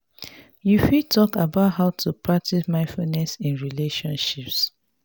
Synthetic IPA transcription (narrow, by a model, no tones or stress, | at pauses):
jufitʰɔkabaʊtɦaʊtʰupʰɹak̚tismãɪ̃nfulnɛsĩnɹileʃɔ̃nʃips